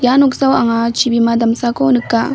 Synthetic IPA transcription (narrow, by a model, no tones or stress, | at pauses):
januksawʔaŋat͡ʃibimadamsakonɨkːa